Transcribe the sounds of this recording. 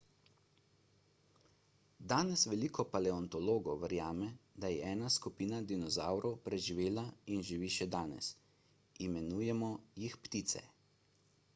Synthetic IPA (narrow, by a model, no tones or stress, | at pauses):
d̪aːnɛsʋɛliːkɔpalɛɔnt̪ɔloːɡɔwʋɛɾjaːmɛd̪ajɛɛːnaskupiːnad̪inɔzawɾɔwpɾɛʒiʋeːlainʒiʋiːʃɛd̪aːnɛ̰s | imɛnuːjɛmɔjixpt̪iːt̪sɛ̰